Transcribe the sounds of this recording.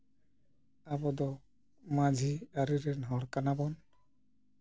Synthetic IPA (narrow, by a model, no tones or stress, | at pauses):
abɔd̪ɔ | mad͡ʒʱiaɾiɾɛnɦɔɽkanabɔn